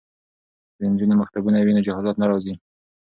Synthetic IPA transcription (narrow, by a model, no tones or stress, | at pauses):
d̪ənd͡ʒunomaxt̪abunawinod͡ʒahɑzɑt̪naɾɑzi